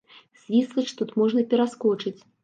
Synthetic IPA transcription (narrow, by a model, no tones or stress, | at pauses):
z̥ʲvʲislˠɨt͡ʂt̪ut̪mɔʐnɐpʲɛɾaskɔt͡ʂɨt͡sʲ